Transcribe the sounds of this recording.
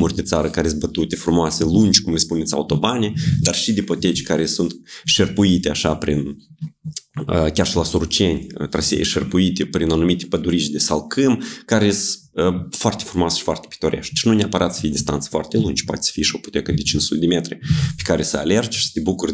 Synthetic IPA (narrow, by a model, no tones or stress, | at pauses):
murʲd̪et̪saɾəkaɾezbət̪ut̪efɾumoaselunʲd͡ʒʲkumlʲespunet̪sʲa̰ut̪o̞baned̪arʃid̪epot̪et͡ʃʲkaɾesunt̪ʃerpuit̪eaʃapɾin | əkʲarʃilasoɾut͡ʃenʲə̰t̪ɾa̰sʲḛḛʃerpuit̪epɾinanumit̪epəd̪uɾit͡ʃʲd̪esalkɨmkaɾes | əfoart̪e̞fɾumoasə̥ʃi̥foa̰rt̪e̥pi̥t̪oɾʲʔḛʃt̪̚d̪ʃnuneapəɾʔat̪sə̥fijed̪ist̪ant̪sə̥foa̰rt̪elˠund͡ʒpoa̰t̪ʲe̥sə̥fijeʃiopu̥t̪ekəd̪et͡ʃinsut̪ed̪emet̪ɾepe̥kaɾesəa̰lerd͡ʒʃi̥sə̥t̪ʲebukurʲ